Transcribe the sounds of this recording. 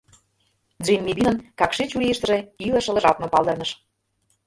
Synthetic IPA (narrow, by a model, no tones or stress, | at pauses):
d͡ʑemʲːiβʲinənkɑkʃit͡ɕulʲijəʃt̪ə̆ʒĕilə̆ʃə̆lə̆ʒɑt̪nopɑlˠd̪ɤ̆rnə̆ʃ